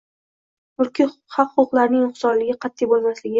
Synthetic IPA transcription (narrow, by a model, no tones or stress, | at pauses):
ʊlkʰʲɪhɑfχʊqlaɾnɪŋʊχsɒɾlɪɡʲɪqʰɑt̪ʰːijbolˠmaslɪɡʲɪ